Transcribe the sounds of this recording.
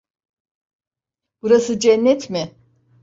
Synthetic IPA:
b̥uɾasɯd͡ʒɛnːɛt̪ʰmɪ

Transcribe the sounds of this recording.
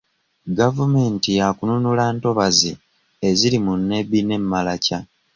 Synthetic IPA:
ɡavume̞ːntijakununulaːnto̞βazi | eziɾimunːe̞βine̞mːalaca

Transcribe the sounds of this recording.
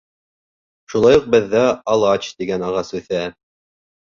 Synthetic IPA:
ʃulˠɑjuq̚bɘ̆ðːæɑlˠɑt͡ɕt̪iɡænɑʁɑsʉθæ

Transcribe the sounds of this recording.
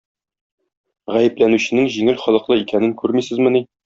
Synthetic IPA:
ʁæjɘ̆plænʉɕɘ̆nɘŋʑiŋɘlχɒlˠɤ̆qlˠɤikænɘŋkʉɾmisɘ̆zmɘ̆ni

